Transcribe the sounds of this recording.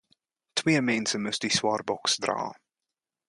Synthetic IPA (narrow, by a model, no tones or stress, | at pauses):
tʰweːmɛnsəmɵstdiswɑːrbɔksdra̰ː